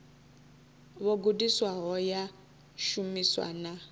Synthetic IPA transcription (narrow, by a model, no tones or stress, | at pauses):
βɔɡudiswaɦɔja | ʃumiswa̰na